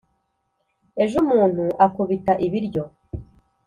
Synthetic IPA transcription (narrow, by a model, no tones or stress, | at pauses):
e̞ʒumuːn̥huʔakuβitaʔiβiɾɟo̞